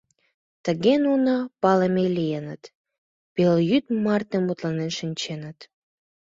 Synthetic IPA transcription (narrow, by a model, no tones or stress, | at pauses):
t̪əɣenunɑpɑləmelijenət̪ | peljyt̪mɑrt̪emut̪lɑnenʃənʲt͡ɕenət̪